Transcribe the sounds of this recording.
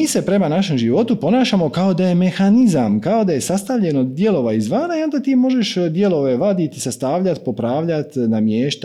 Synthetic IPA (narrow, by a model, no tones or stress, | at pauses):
iːse̞pɾe̞manaʃe̞mʒiʋo̞t̪upo̞naːʃamo̞kao̞d̪aje̞me̞xanizamkao̞d̪aje̞sast̪aʋʎe̞nod̪je̞lo̞ʋaizʋaːnaiond̪at̪iːmo̞ʒe̞ʃd̪je̞lo̞ʋe̞ʋad̪it̪isast̪aːʋʎat̪po̞pɾaːʋʎat̪namjeːʃt̪